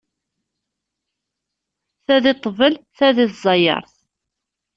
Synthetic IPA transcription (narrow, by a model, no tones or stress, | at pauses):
θæðɪt̪ˤːvəlθæðɪθzˤɑjɑ̰ɾˤθ